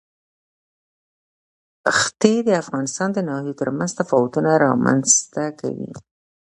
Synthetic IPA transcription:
xt̪ed̪əafɣɑnɪst̪ɑnd̪ənɑhijot̪əɾmanzt̪afɑwʊt̪unaɾɑma̰nz̥t̪aka̰wḭ

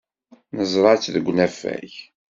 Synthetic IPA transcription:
nəzˤɾˤɑt͡sːðəɡʷnæfːæ̰ç

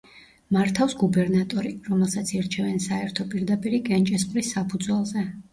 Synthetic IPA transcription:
maɾt̪ʰafsɡubɛɾnat̪ʼɔɾiɾɔmɛlˠsat̪sʰiɾt͡ʃʰɛvɛnsaɛɾt̪ʰɔpʼiɾd̪apʼiɾikʼɛnt͡ʃʼɛsqʼlisːapʰud̪zwɛlˠzɛ

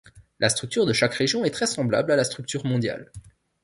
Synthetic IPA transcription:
lʔast̪χyk̚t̪yʁd̪əʃakʁeʒjɔ̃ɛt̪χɛsɑ̃bla̰blalast̪χyk̚t̪yʁmɔ̃d̪ja̰l

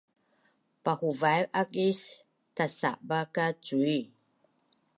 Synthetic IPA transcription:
pahuvajʔakis | tasa̰ʔbakat͡sui

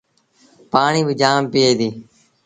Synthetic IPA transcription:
paːɳiːbɪd͡ʒaːmpɪeːd̪iː

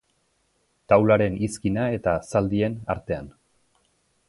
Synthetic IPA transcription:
t̪awlaɾe̞niskinae̞t̪asald̪ie̞na̰ɾt̪e̞a̰n

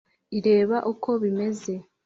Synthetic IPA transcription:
iɾe̞ːβaʔukʰo̞βime̞ze̞

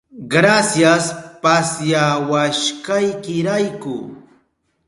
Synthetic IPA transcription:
ɡɾasjaspasjawaʃkajkɪɾajkʊ̰

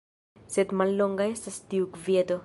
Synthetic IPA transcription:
set̪malːoŋɡaesast̪iwkved̪o

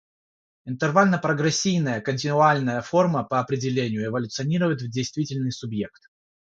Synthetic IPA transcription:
ɪnt̪ɨrvalʲnəpɾəɡɾɛsʲːijnəjəkənʲtʲɪnʊalʲnəjəfo̞rməpəɐpɾʲɪdʲɪlʲenʲɪjʊɪvəlʲʊt̪sɨɐnʲiɾəvəɪt̪vdʲejst̪vʲitʲɪlʲnɨjsʊbje̞kt̪̚

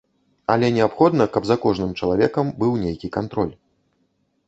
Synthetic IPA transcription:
ɐlʲɛnʲɛapxɔd̪nɐkɐbzɐkɔʐnɨmt͡ʂɐlˠavʲɛkɐmbɨwnʲejkʲikant̪ɾɔlʲ

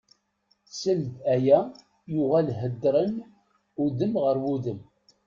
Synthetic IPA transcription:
səld̪æjæ | jʊʁælɦəd̪ːɾˤən | uðəmʁəɾwuðəm

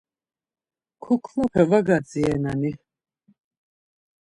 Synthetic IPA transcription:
kʰukʰmapʰɛvaɡat͡sʼiɛnani

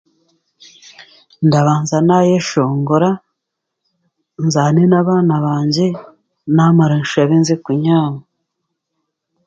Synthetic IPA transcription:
ndaβaːnzanajeʃoːŋɡoɾa | nzaːnenaβaːnaβaːɲɟe | naːmaɾenʃaβenzekuɲaːma

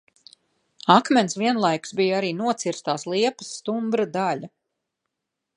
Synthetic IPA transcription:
akmʲɛnsviɛnlˠajksbijaɾiːnuɔt̪siɾst̪aːslˠiɛpɐ̥sːt̪umbɾad̪alʲa

